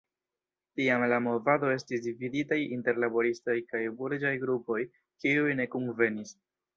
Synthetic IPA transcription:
tiamlamo̞vado̞e̞stisdividitajinte̞ɾlabo̞ɾistojkajbuɾd͡ʒajɡɾupo̞j | kiujne̞kumve̞nis

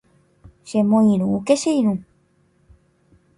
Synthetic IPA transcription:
ʃemõĩɾ̃ũukeʃeiɾũ

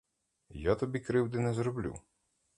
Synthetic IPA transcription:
jat̪ɔbʲikɾɪwd̪ɪnɛzɾɔblʲṵ

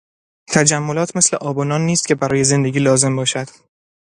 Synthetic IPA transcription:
t̪ʰæd͡ʒæmːolɒːt̪ʰme̞sleʔɒːbɒnɒːnːiːst̪̚cʰʲe̞bæɾɒːje̞ze̞nd̪e̞ɡʲiːlɒːze̞mbɒːʃæd̪̥

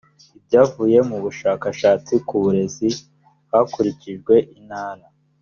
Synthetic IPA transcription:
ib̚ɟaːvuːje̞muβuʃaːkaʃaːt͡sikuβuɾe̞zi | hhakuɾiciʒɡwe̞ʔinhaːɾa

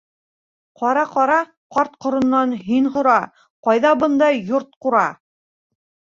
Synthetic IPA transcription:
qɑɾɑqɑɾɑ | qɑɾt̪̚qŏɾŏnːɑnɦinɦŏɾɑ | qɑjðɑbɤ̆nd̪ɑjoɾt̪̚quɾɑ

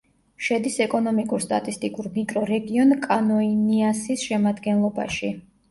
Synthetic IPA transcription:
ʃɛd̪isɛkʼɔnɔmikʼuɾst̪ʼa̰t̪ʼist̪ʼikʼuɾmikʼɾɔɾɛɡiɔnkʼanɔiniasisʃɛmad̪ɡɛnlˠɔba̰ʃi

